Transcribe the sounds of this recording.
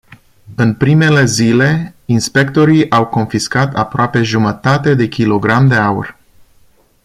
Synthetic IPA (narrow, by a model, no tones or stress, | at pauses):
ɨnpɾime̞le̞zile̞inspe̞kt̪o̞ɾiʔawko̞nfiskat̪apɾoape̞ʒumət̪at̪e̞d̪e̞kʲilo̞ɡɾamd̪e̞aṵrʲ